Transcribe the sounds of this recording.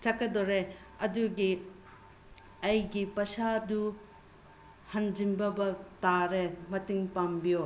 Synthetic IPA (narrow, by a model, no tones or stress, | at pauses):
t͡ʃɐkːɐdoɾe | ɐduɡi | ɐjɡipɐsadu | hɐnd͡ʒimbɐbɐtaɾemɐtiŋpambijo